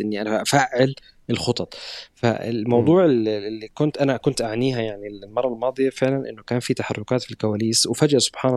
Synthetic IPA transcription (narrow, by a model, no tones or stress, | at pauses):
ʔɪnːiʔanaʔafaːʕɪl | ɪlxʊt̪ˤɑt̪ˤfa̰ɪ̰mɑwd̪ˤuːʕɪllːikʊnt̪ʔanakʊnt̪ʔaʕniːɦajaʕnillmɑrˤːɑlmɑːd̪ˤɨjafɪʕlanʔɪnːʊkaːnfit̪aħɑrˤːʊkaːt̪filkawaːliːswɪfad͡ʒaʔsʊ̥b̥ħaːn